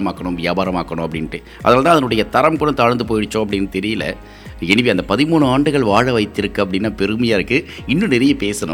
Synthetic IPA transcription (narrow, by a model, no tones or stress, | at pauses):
ɐmaːkːɐɳʊ̃mʋɪjaːbaːɾɐmaːkːɐɳʊ̃ɐpːɐɽɪnʈːɯ | ʔɐ̰ðɐnaːlt̪ãːɐðɐnɯɽɐjɐt̪ɐɾɐmkʊɽɐmt̪aːɻnd̪ɯp̬oːjɪɽɯt͡ʃːõːɐpːɐɽɪnːɯt̪ɛɾɪjɪlɐ̰ | ɛnɪʋiɐnd̪ɐpɐðɪmuːɳɯaːɳɖɯɣɐɭʋaːɻɐʋɐɪt̪ːɪɾɯkːɯɐpːɐɽɪnːaːpɛɾɯmɐjaːɾɯkːɯ | ɪnːɯ̃nɪɾɐjɐpeːsɐnʊ̰̃